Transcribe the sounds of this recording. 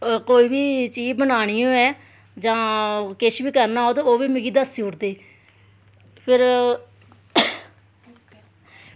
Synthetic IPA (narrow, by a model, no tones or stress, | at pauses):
koːiːbiːt͡ʃiːbənaːɽ̃iːõːɛː | d͡ʒãːkɪʃbiːkəɾnaːoːd̪ooːʋiːmɪɡiːd̪əsioʊʈd̪eː | pʰɪɾ